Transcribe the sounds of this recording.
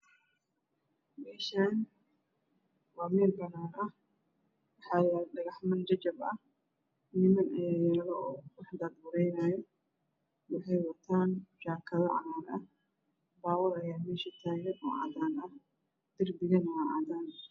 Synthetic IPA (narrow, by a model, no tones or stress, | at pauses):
mɛːʃaːn | waːmɛːlbɐnaːɾɐh | wɑħaːlɐɗɐɣɐħmɐnd͡ʒɐd͡ʒɐbɐ | nɪmɐnʔɛjɐɾɐɣɐʔɔːwɑħd̪aːd̪̚bʊɾɛjnaːjɔ | wɑħɑjwɐt̪ʰaːnʃaːkʰɐðɐʕɑ̰mɐɾɐh | baːwɐlɐjaːmɛːʃɐt̪ʰaːnɐnɔʕa̰d̪aːnɐh | d̪̥ɪrbɪɣɐnɔwʕad̪aːn